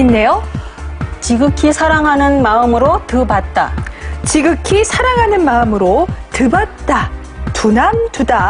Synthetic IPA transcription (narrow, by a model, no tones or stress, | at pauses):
inːe̞jo | t͡ɕiɡɯkʰisʰaɾaŋɦanɯnmaɯmɯɾotɯbat̚t͈a̰t͡ɕiɡɯkʰisʰaɾaŋɦanɯnmaɯmɯɾotɯbat̚t͈a | tunamtuda